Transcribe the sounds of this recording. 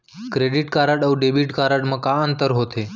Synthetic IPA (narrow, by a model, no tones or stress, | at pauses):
kɾeɖiʈkaːɾəɖəuɖebiʈkaːɾəɽmãkaənt̪əɾɦoːt̪ʰeː